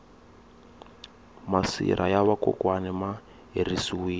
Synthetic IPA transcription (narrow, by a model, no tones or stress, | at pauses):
masḭɾʔajaβakɔ̰kwanɛma | ɦerisiwiː